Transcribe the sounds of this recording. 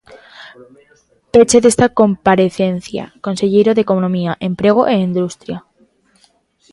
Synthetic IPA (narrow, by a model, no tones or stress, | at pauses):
pet͡ʃeðe̞st̪ako̞mpaɾe̞θe̞n̟θja̰ko̞nseʎeɾoðeko̞nõmiaʔẽ̞mpɾe̞ɣ̞oʔeind̪ust̪ɾja